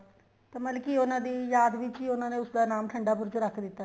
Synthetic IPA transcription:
t̪aməlkionãːd̪iːjaːd̪ʋɪt͡ʃɦiːʊnãːnẽːʊsd̪aːnaːmʈʰəɳɖaːp̬ʊɾt͡ʃoɾəkʰd̪ɪt̪ːaː

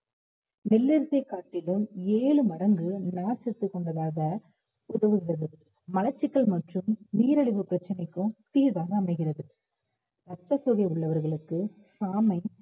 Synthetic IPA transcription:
mɛlːɪɾsɐɪkːaːʈːɪlɯmeːɭɯmɐɾɐŋɡɯnaːɾsɐt̪ːɯkːɔɳɖɐðaːɣɐ | ʊðɐʋɯɣɪrɐðɯ | mɐlɐt͡ʃːɪkːɐɭmɐʈrɯmniːɾɐɭɪʋɯpːɪɾɐt͡ʃːɐnɐɪkːɯ̃t̪iːɾʋaːɣɐːmɐɪɣɪrɐðɯ | ɾɐk̚t̪ːɐsɔɣɐɪʊɭːɐʋɐɾɣɐɭɯkːɯ | saːmɐɪ

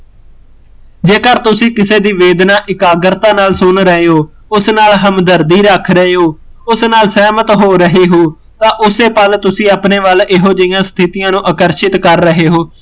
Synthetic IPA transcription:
d͡ʒeːkəɾt̪ʊsĩːkɪseːd̪iːʋeːd̪nãːʔɪkaːɡəɾt̪ãːnaːlsʊnɾəɦeːɦoː | ʊsnaːlɦəmd̪əɾd̪iːɾəkʰɾəɦeːɦoːʊsnaːlsɛːmət̪ɦoːɾəɦeːɦoː | t̪ãːʔʊseːpəlt̪ʊsĩːaːpneːʋəlɪɦoːd͡ʒɪjãːst̪ʰɪt̪ɪjãːnũːʔəkəɾʃɪt̪kəɾːəɦeːɦoː

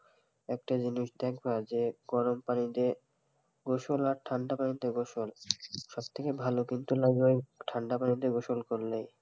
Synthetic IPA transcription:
ɛkʈad͡ʑiniʃd̪ɛkʰbad͡ʑeɡɔɾompanit̪e | ɡoʃolaɾʈʰaɳɖapanit̪eɡoʃolʃɔb̚t̪ʰekebʱalokint̪ulaɡojʈʰaɳɖapanit̪eɡoʃolkoɾlej

